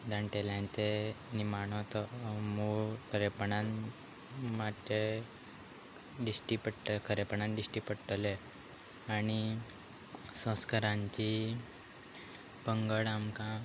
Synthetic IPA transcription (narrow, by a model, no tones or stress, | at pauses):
d̪ãɳʈeljãnt͡senimaɳ̃ot̪ɔmukʰəɾepəɳan | mat̪ːe | ɖisʈipəɽʈkʰəɾepəɳãnɖisʈipəɽʈəle | aɽi | sə̃skaɾãɲt͡ɕi | bəŋɡəɽamkã